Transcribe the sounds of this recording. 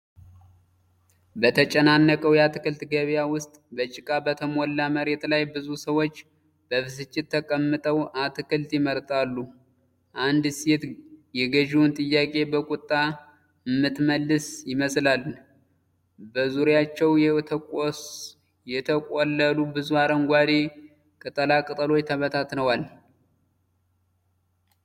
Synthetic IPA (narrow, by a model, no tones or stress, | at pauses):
bət̪ʰət͡ʃʼɛnanːəkʼəwjat̪ɨkɨlt̪ɡəβjawʊst̪ʼbət͡ʃʼɪkʼabət̪ʰəmolːaməɾe̞t̪lajbɨzusəwo̞t͡ʃː | b̥əβɨsɨt͡ʃʼːɪt̪ʰːəkʼəmːɨt̪ʼəwat̪ɨkɨlt̪jɪməɾt̪ʼalːu | ʔand̪set̪jɛɡəʒiwnt̪ʼɨjːakʼe̞bəkʼʊt̪ʼːa | ɨmːɨt̪məlːɨsjɪməslalː | bəzuɾjat͡ʃːɛwjɛt̪ʰkʼos | jɛt̪ʰəkʼolːəlubɨzuaɾəŋɡʷad̪e | kʼɨt̪ʼəlakʼɨt̪ʼəlo̞jt̪ʰəβət̪ʰat̪nəwal